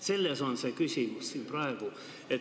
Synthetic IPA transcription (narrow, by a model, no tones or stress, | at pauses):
selːesonsekysimyssimprɑeʋu | e